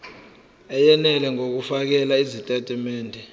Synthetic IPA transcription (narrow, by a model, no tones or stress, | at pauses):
ɛjɛnɛlɛŋok̬ufak̬ɛlaizitʼɛtʼimɛːndʱɛ